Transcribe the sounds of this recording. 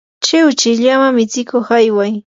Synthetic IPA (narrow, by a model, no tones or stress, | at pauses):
t͡ʃɪwt͡ʃɪʎamamɪt͡sɪkoχajwaj